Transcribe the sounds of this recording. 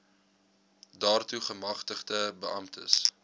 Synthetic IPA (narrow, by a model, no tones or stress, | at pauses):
dɑːrtuχəmɐχtəχdəbəʔɐmtʰə̰s